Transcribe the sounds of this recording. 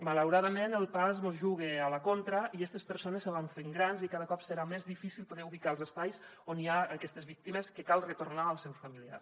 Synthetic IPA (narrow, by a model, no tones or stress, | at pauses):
malawɾaðəmenəlˠpazmozʒuɣ̞ealəkont̪ɾəiɛst̪espəɾsonesːəβaɱfeŋɡɾanzikaðəkɔpsəɾamezðifisilˠpoðɛuβikalˠzəspajsoniaəkɛst̪ezβik̚t̪imeskekalˠrət̪oɾnaəlˠsɛwsfəmilia̰s